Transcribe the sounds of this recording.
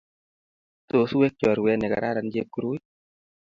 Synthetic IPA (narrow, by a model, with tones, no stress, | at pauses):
to˨su˦we˦k̚t͡ʃɔ˨ɾwɛ˨nɛ˨ka̰˨ɾa˦ɾa˨nd͡ʒe˦kːu˨ɾu˦j